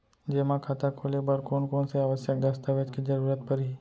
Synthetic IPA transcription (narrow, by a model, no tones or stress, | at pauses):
d͡ʒemãkʰat̪akʰolebəɾkonkonseaʋəsjək̚d̪əst̪aʋjət͡ʃkid͡ʒəɾuɾat̪̚pəɾi